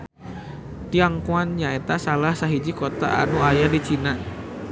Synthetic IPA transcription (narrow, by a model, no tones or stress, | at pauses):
t̪iaŋkuanɲaet̪asalahsaɦid͡ʒikot̪a̰ʔa̰nuajadit͡ʃina